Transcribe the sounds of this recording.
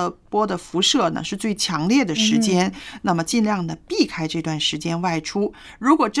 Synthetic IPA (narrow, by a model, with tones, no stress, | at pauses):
pwɔ˥d̪ə˨fu˧˥ʂɤ˥˩nə̰˩ʂɻ̩˥˧t͡swe˥˩ɪt͡ɕʰjɑ˧˥ŋljɛ˥˩d̪ə˩ʂɻ̩˧˥t͡ɕjɛ˥nna˥˩mə˩t͡ɕi˥˧nljɑ˥˩ŋd̪ə˩pi˥˩kʰa˥ɪʈ͡ʂɤ˥˧t̪wa˥˩nʂɻ̩˧˥t͡ɕjɛ˥nwa˥˩ɪʈ͡ʂʰu˥ | ɻu˧˥kwɔ˨˩ʈ͡ʂ